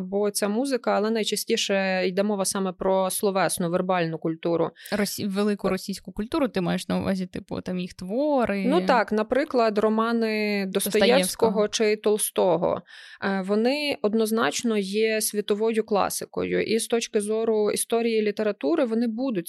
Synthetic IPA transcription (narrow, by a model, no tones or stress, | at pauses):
bɔt͡sʲamuzɪkɐːlˠɛnɐjt͡ʃɐsʲtʲiʃɛjd̪ɛmɔʋɐsɑmɛpɾɔslˠɔʋɛsnʊʋerbɑlʲnʊkʊlʲt̪uɾʊ̰rɔsʲiʋelˠɪkʊɾɔsʲijsʲkʊkʊlʲt̪uɾʊt̪ɪmɑjeʃnɐuʋɑ̰zʲit̪ɪpʊ̰t̪ɑmjixt̪ʋɔɾɪnut̪ɑknɐpɾɪklˠɐd̪rɔmɑnɪd̪ɔst̪ɔjjɛsʲkɔɦɔt͡ʃɪt̪ɔlˠst̪ɔɦɔ̰ʋɔnɪɔd̪nɔznɑ̰t͡ʃnɔjɛsʲʋʲit̪ɔʋɔjʊklˠɑ̰sɪkɔ̰jʊ̰ʔist̪ɔt͡ʃkɪzɔɾʊist̪ɔɾʲijilʲit̪eɾɐt̪uɾɪʋɔnɪbud̪ʊt̚ʲ